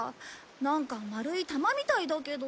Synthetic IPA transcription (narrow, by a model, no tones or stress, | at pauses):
nãŋkamaɾɯ̟it̪amamʲit̪aid̪ake̞d̪o